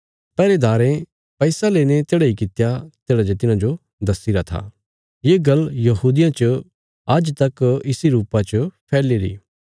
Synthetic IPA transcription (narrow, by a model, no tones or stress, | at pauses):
pɛːɾed̪aːɾẽ | pɛɪsaleːñet̪eːɽaikɪt̪jat̪eːɽad͡ʒet̪̬ɪnãd͡ʒo | d̪ɐsɪɾat̪ʰa̰ː | jeːɡɐljɐɦuːd̪ɪjãt͡ʃə | ɐd͡ʒt̪ɐkɪsiɾuːpat͡ʃəpʰɛːliɾḭː